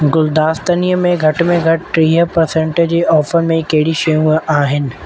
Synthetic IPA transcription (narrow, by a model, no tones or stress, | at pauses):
ɡʊld̪aːst̪ənijəmẽɡʱɐʈmẽɡʱɐʈʈɾiːɦəpɐɾsẽɳʈed͡ʑeːʔɔːfəɾmẽkɐɦɪɽiʃɐjũʔaːɦɪnɪ̆